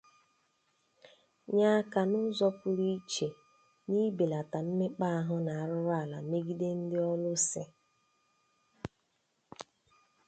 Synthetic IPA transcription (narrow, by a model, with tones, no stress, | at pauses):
ɲa˦ka˨nʊ˦zɔ˦pʊ˦ɾi˦t͡ʃe˨ | ni˦be˨la˨ta˨n̩˦me˦k͡pa˦ɦʊ˦na˨a˨ɾʊ˦ɾʊ˦a˦˨la̰˨me˦ɡi˦de˦n̩˦dɪ˦ɔ˦lʊ˦sɪ˦